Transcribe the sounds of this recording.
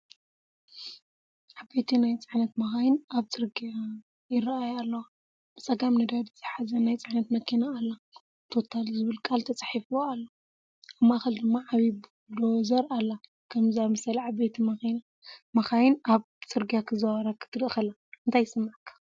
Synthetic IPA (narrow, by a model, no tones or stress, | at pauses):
ʕabet̪ʰinajt͡sʼɨʕnɐt̪mɐxajɪnaβt͡sʼɨɾɡija | jɪraajalːɐwa | b̥ɨt͡sʼɐɡamnɐd̪ad̪it͡sʼɨħazɐnajt͡sʼɨʕnɐt̪mɐkʰinaːlːa | t̪ʰo̞t̪ʰalzɨβɨlkʼalt̪ʰɐt͡sʼaħifwoalːa | aβmaxɐld̪ɨmːaʕaβi | d̪ozɐɾalːa | kʰɐmzamɐsɐliʕabet̪ʰimɐ | mɐxajɪnaβ | t͡sʼɨɾɡijakʰɨzɐwaɾakʰɨ̥t̪ʰɨɾʔɨxɐla | ɨnt̪ʰajɪsɨmːaʕkʰḁ